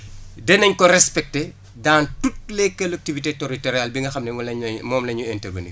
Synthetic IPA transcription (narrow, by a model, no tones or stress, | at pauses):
dɛnɐɲkɔrɛspɛk̚te | daːntut̚lɛkːɐlɐk̚tivitetoɾitɔɾjalbiŋɡɐxɐmnɛlɐɲmɔːmlɐɲuɛntɐɡɐnḭ